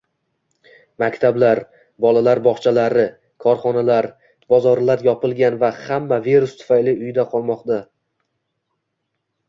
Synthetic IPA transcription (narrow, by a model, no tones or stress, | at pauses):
makʲt̪ʰablaɾ | bɒlalaɾbɒχt͡ʃʰalaɾɪ | kʰɒɾχɒnalaɾ | bɒzɒɾlaɾjɒpɪlˠɡʲanvahamːaveɾʊst̪ʰʊ̥fajlɪʊjd̪aqʰɒlˠmɒqd̪a